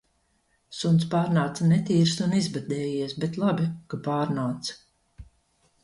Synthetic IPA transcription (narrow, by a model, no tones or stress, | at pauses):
sunt̪spaːɾnaːt̪sanɛt̪iːɾsunizbad̪ɛːjiɛsbɛt̪lˠabʲikapaːɾnaːt̪s